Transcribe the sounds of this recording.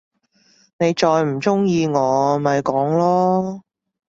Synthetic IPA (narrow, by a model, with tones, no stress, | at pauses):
ne˨˧jt͡ʃɔː˧jm̩˨˩t͡sʊ˥ŋjiː˧ŋɔː˨˧mɐ˨jkɔː˨˥ŋlɔː˥